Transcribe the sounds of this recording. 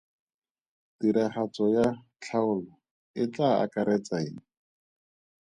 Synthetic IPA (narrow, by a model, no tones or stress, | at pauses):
d̥iɾaχat͡sɔja | t͡ɬʰaʊlɔ | ɪt͡ɬaa̰kaɾɛt͡saeːŋ̩